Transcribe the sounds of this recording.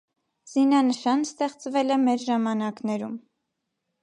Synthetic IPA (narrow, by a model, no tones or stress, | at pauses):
z̥inɑnəʃɑnst̪ɛχt͡svɛlɛmɛɾʒɑmɑnɑknɛɾum